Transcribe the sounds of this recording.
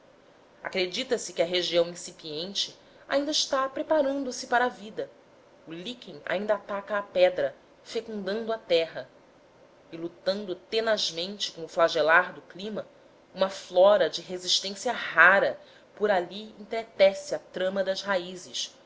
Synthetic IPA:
a̰kɾed͡ʒit̪ɐsɪkɪɐɦeʒiɐ̃w̃ĩsipiẽnt͡ʃɪ | a̰ĩnd̪ɐɪʃt̪apɾepaɾɐ̃nd̪ʊsɪpaɾɐavid̪ɐ | ʊlikẽŋ̃a̰ĩnd̪ɐːt̪akɐːpɛd̪ɾɐ | fekũnd̪ɐ̃nd̪ʊɐt̪ɛɦɐ | ɪlut̪ɐ̃nd̪ʊt̪enaʒmẽnt͡ʃɪ̥kõʊflaʒelaɾd̪ʊklĩmɐ | ũmɐflɔɾɐd͡ʒɪɦeziʃt̪ẽsiɐɦaɾɐ | pʊɾaliḛ̃ŋt̪ɾet̪ɛsɪɐt̪ɾɐ̃mɐd̪ɐzɦaizɪʃ

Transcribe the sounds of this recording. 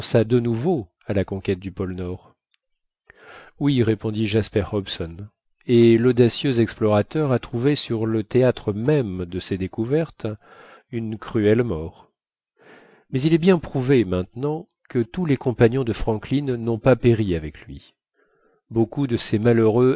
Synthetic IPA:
sad̪ənuvo | alakɔ̃kʲɛt̪̚d̪ypɔlnɔʁ | wiʁepɔ̃d̪iʒaspɛʁhɔbsɔn | elɔd̪asjøzɛksplɔʁat̪œʁat̪χuvesyʁlət̪eat̪χəmɛmd̪əsed̪ekuvɛʁt̪ | ynkχyɛlmɔʁ | mɛzilɛbjɛ̃pχuvemɛ̃t̪nɑ̃ | kət̪ulekɔ̃paɲjɔ̃d̪əfχɑ̃klinːɔ̃papeʁiavɛklɥḭ | bokud̪əsemaløʁø

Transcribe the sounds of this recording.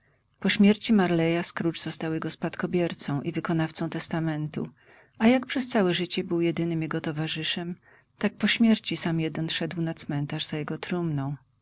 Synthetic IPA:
pɔɕmʲjɛɾt͡ɕimaɾlɛjaskɾut͡ʂzɔst̪awjɛɡɔspat̪kɔbʲjɛɾt̪sɔ̃w̃ʔivɘkɔnaft̪sɔ̃w̃t̪ɛst̪amɛnt̪ṵ | ajak̚pʂɛst̪sawɛʐɘt͡ɕɛbɘwjɛd̪ɘnɘmjɛɡɔt̪ɔvaʐɘʂɛm | t̪ak̚pɔɕmʲjɛɾt͡ɕisamjɛd̪ɛnʂɛd̪wnat̪smɛnt̪aʐz̥ajɛɡɔt̪ɾumnɔ̃w̃

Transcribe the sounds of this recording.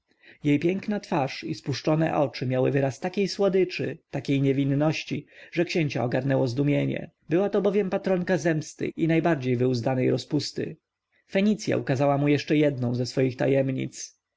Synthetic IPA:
jejpʲjɛŋknat̪faʂispuʂt͡ʂɔnɛ̰ʔɔt͡ʂɘmʲjawɘvɘɾast̪akʲejswɔd̪ɘt͡ʂɘt̪akʲejɲɛvʲinːɔɕt͡ɕiʐɛkɕeɲt͡ɕa̰ɔɡaɾnɛwɔzd̪umʲjeɲɛ̰ | bɘwat̪ɔbɔvʲjɛmpat̪ɾɔŋkazɛmst̪ɘ̰inajbaɾd͡ʑejvɘuzd̪anɛjɾɔspust̪ɘ̰ | fɛɲit̪sʲja̰ʔukazawamujɛʂt͡ʂɛjɛd̪̚nɔ̃w̃zɛsfɔjixt̪a̰jɛmɲḭt̪s

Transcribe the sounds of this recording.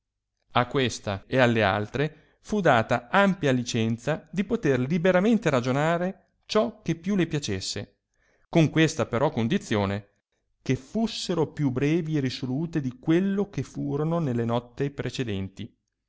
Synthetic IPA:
akːwest̪aealːea̰lt̪ɾe | fud̪aːt̪aampjalit͡ʃɛnt̪sad̪ipot̪erlibeɾament̪eɾad͡ʒonaːɾe | t͡ʃɔkːepːjulepjat͡ʃesːḛ | koŋkwest̪apeɾʔɔkːond̪it̪sːjoːne | kefusːeɾopjubːɾɛːvierisoluːt̪ed̪ikwelːok̟efuːɾononelːenɔt̪ːepɾʔet͡ʃed̪ɛnt̪i

